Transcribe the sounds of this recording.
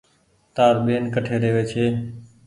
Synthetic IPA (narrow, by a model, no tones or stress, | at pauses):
t̪aːɾɓeːnkəʈʰeːɾeːʋeːt͡ʃʰeː